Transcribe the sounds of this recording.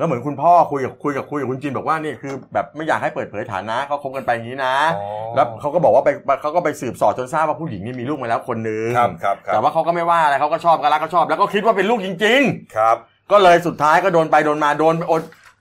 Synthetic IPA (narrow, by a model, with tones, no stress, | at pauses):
kaː˦˥mɯ˩˦nkʰu˧npʰɔː˥˩kʰu˧jka˨˩kʰu˧jka˨˩p̚kʰu˧jkkʰu˧nt͡ɕi˧nbɔː˨˩k̚waː˥˩niː˥˩ɐkʰɯː˧bɛː˨˩p̚ma˥˩jaː˨˩k̚ha˥˩jpɤː˨˩t̪̚ʰɤː˩˦jt̪ʰa̰ː˩˦nːa˦˥kʰa˦˥kʰo˦˥p̚kaː˧npa˧ja˨˩ŋːiː˦˥na˦˥lɛː˦˥wkʰa˦˥wkɔː˥˩bɔː˨˩kwaː˥˩pa˧jpa˧kʰa˦˥wkɔː˥˩pa˧jsɯː˨˩p̚sɔː˨˩t̚t͡ɕo˧nsaː˥˩waː˥˩pʰuː˥˩ji˩˦ŋniː˥˩miː˧luː˥˩kma˧lɛ˦˥wkʰo˧nːɯ˨˧ŋ˦˧k̚ʰɛː˨˩waː˥˩kʰa˦˥wkɔ˥˩ma˥˩jwaː˥˩ʔa˧ɾa˧jkʰa˦˥wkɔ˥˩t͡ɕʰɔː˥˩p̚ka˧˥˩la˦˥kʰːɔ˥˩t͡ɕʰɔː˥˩p̚lɛ˦˥wkɔː˥˩kʰi˦˥t̪̚waː˥˩p̬e˧nluː˥˩k̚t͡ɕi˧ŋt͡ɕi˧ŋ̚ʰ˦ | kɔː˥˩lɤː˧jsu˨˩t̪ʰːaː˦˥jkɔː˥˩doː˧npa˧jdoː˧nmaː˧doː˧nʔoː˧